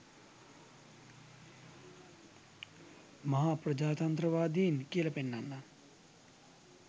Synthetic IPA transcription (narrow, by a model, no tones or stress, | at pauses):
mɐɦaːpɾɐd͡ʒaːt̪ɐnt̪ɾɐʋaːd̪iːnkeːlɐpenːanːa